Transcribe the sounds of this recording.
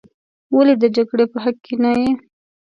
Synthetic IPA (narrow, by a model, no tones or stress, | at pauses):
waled̪əd͡ʒaɡɽepəɦakʰːenaje